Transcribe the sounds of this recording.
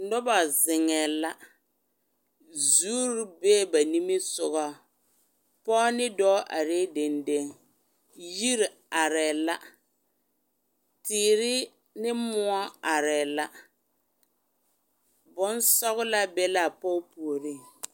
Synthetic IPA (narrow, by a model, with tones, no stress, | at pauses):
nɔ˦ba˨zɪ˨ŋɛ˨la˦ | zuː˦ɾbe˦ba˨ni˦mi˦sʊ˨ɣɔ˦ | pɔː˦nɪ˦dɔː˦ʔa˨ɾe˦de˨nde˦ŋ | ji˦ɾ | a˨ɾɛ˨la˦ | tɪː˨ɾɪ˦ | nɪ˦mʊ˦ɔ˦a˨ɾɛ˨la˦ | bʊ˦n˦sɔ˦ɣla˦bɛ˦la˦˨pɔː˦pu˨o˨ɾi˦˨